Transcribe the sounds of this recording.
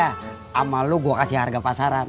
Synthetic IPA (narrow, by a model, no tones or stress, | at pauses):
a | amaluɡuakasiharɡapasaɾan